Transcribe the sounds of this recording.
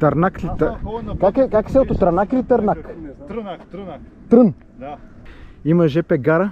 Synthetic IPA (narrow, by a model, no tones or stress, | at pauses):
t̪ɐɾnaklit̪əkakɛkaksɛot̪ot̪ɾɐnaklit̪ɐɾnak | t̪ɾən | imɐʒɛpɛɡaɾə